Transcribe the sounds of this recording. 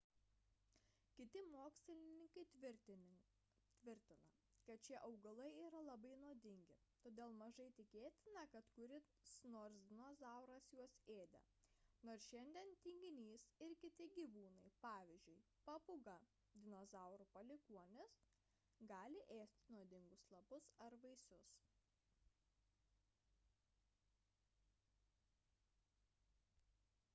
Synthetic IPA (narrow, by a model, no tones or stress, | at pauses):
kʲɪt̪ʲɪmoːksʲlʲɪlʲɪnʲɪŋkɐɪ | t̪ʲʋʲɪɾʲt̪ʲɪnɐ | kɐt̪̚t͡ʃʲiɛʔɐʊɡɐlˠɐɪiːɾɐlˠɐbɐɪnoːd̪ʲɪŋʲɡʲɪt̪oːd̪ʲeːlˠmɐʒɐɪt̪ʲɪkʲeːt̪ʲɪnɐkɐt̪kʊɾʲɪ | snoːɾsd̪ʲɪnoːzɐˑʊɾɐsjuɔseːd̪ʲɛ̰noːɾsʃʲɛnʲd̪ʲɛnt̪ʲiŋʲɡʲɪnʲiːsɪɾkʲɪt̪ʲɪɡʲiːʋuːnɐɪpɑːʋʲɪzʲd͡ʒʲʊɪ | pɐpʊɡɐ | d̪ʲɪnoːzɐˑʊɾupɐlʲɪkuɔnʲɪs | ɡɑːlʲɪʔeːsʲt̪ʲnuɔd̪ʲɪŋɡʊslˠɐbʊsɐɾʋɐɪsʊs